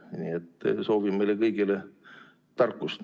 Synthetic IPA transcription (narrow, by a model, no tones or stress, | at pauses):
niet̪ːˑso̞ːvimmejlekɤjɡile | t̪ɑrkːust̪